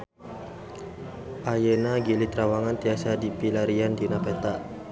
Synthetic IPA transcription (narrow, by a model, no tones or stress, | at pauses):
ʔajenaɡilit̪ɾawaŋant̪iasadipilaɾiandinapɛt̪aʔ